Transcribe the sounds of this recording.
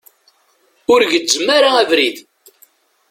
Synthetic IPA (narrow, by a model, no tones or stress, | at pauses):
ʊɾʝəzəmːaɾaævɾið